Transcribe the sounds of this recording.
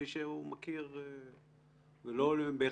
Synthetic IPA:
iʃeumakiʁ | velolebe

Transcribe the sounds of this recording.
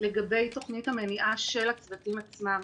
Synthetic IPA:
leɡabe̞jto̞χnithameniʔaʃe̞lat͡svatimat͡smam

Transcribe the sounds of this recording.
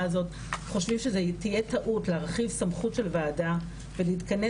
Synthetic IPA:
zo̞t | χo̞ʃvimʃezetije̞taʔutleaʁχivsamχutʃe̞lveːda | veleitkɐne

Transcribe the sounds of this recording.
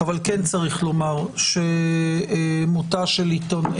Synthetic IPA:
avalkent͡saʁiχlo̞maʁʃe | mut̪aʃelit̪on

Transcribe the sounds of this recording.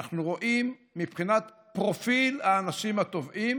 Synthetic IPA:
aχnuʁo̞ʔimːipχinat̪ | pʁo̞filaːnaʃimat̪o̞vʔim

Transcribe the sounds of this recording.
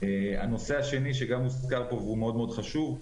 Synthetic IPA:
ea̰no̞se̞aʃe̞niʃ̬eɡamuskaʁpo̞vume̞o̞d̪meo̞d̪χaʃuv

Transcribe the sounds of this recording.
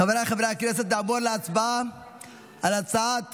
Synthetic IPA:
avɾaχavɾaknɛs̬ɛt̪d̪aʕboɾleat͡sba | alat͡saat̪

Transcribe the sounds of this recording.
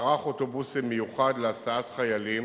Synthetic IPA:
ʁaχotobusimːejuχad̪leasaat̪χajalim

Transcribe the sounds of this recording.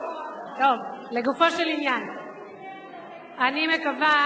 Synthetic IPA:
t̪o̞vleɡufoʃelinjan | animekava

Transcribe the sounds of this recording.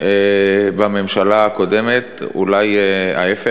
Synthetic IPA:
ebame̞mʃalaako̞de̞met̪ṵlaja̰efe

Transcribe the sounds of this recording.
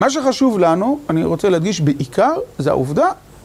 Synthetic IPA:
maʃ̬eχaʃuvlanuaniʁo̞t͡selehad̪ɡiʃbeʔikaʁzea̰uvd̪a

